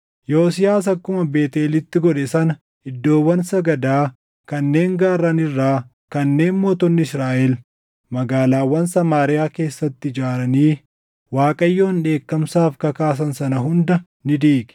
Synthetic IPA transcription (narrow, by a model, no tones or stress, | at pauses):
joːsɪjaːs̬ɐkːʊmɐbe̞ːt̪eːlɪt̪ːɪɡɔᶑɛsɐnɐ | ɪd̪ːo̞ːwːɐnsɐɡɐd̪aː | kɐnːe̞ːŋɡaːɾːɐnɪrːaː | kɐnːe̞ːnmoːt̪ɔnːɪɪsɾaːʔɛl | mɐɡaːlaːwːɐnsɐmaːɾɪjaːke̞ːsːɐt̪ːɪɪd͡ʒaːɾɐniː | waːkʼɐjːo̞ːnᶑe̞ːkːɐmsaːfkɐkaːs̬ɐnsɐnɐɦʊnd̪ɐ | nɪd̪iːɡɛ̥